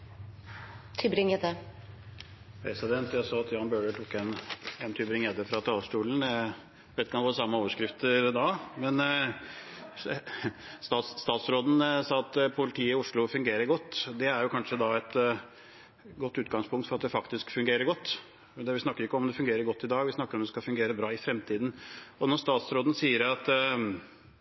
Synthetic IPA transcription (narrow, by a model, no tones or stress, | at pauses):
t̪ʰʏbɾɪŋɛt̪ə | pʰɾɛsɪd̪ɛnt̪jæsɑːɑt̪jɑːnbøːɖəʈʰʊkːɛnɛnt̪ʰʏbɾɪŋjɛt̪ːəfɾɑt̪ʰɑʂʈuːln̩ | ʋɛːt̪kʰɑnʋoːɾəsɑmːəoːʋəʂkɾɪft̪əɾd̪ɑmɛn | st̪ɑt̪sːt̪ɑːt̪sɾoːd̪n̩sɑːɑt̪pʰʊlɪt̪ʰiːɪʊʂɭʊfʉŋɡeːɾəɾɡɔt̪ːd̪ɛæɾjʊkʰɑnʂəd̪ɑɛt̪ | ɡɔt̪ːʉːt̪ɡɑŋspʰʊŋkt̪fɔɾɑt̪̚d̪ɛfɑkt̪ɪskfʉŋɡeːɾəɾɡɔt̪ː | d̪ɛʋɪsnɑkːəɾɪkːɔɔmd̪ɛfʉŋɡeːɾəɾɡɔt̪ːɪd̪ɑːɡʋɪsnɑkːəɾɔmd̪ɛskɑfʉŋɡeːɾəbɾɑːɪfɾɛmt̪ʰiːd̪nɔnɔɾst̪ɑːt̪sɾoːd̪n̩siːəɾɑt̪